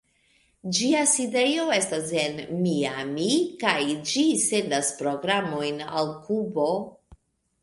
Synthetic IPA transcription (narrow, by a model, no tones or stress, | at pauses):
d͡ʒiaside̞jo̞e̞stasenmiamikajd͡ʒise̞ndaspɾo̞ɡɾamo̞jna̰lkubo̞